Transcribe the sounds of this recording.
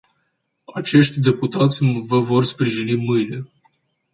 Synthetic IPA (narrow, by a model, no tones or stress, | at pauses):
at͡ʃe̞ʃt̪ʲd̪e̞put̪at̪sʲvəvo̞rspɾiʒinimɨjle̞